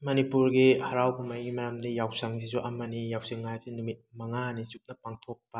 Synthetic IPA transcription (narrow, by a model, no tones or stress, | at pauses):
mɐnipuɾɡihɐɾawpumajɡimɐjamdijawsɐŋsizuʔɐmɐnijawsiŋːajsinumit̚mɐŋanisuk̚nɐpaŋtʰok̚pɐ